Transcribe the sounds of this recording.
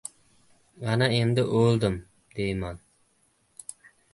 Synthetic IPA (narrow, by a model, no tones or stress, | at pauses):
ʁɑnɑend̪ɪʔølˠd̪ɪm | d̪̥ejmɑn